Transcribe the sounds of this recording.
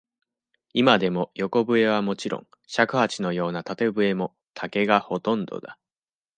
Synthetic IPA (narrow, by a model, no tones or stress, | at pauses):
imad̪e̞mo̞jo̞ko̞bɯ̟e̞β̞amo̞t͡ɕiɾõ̰ŋ | ɕakɯ̟hat͡ɕino̞jo̞ːnat̪at̪e̞bɯ̟e̞mo̞ | t̪ʰake̞ɡaho̞t̪õ̞nd̪o̞̰d̪a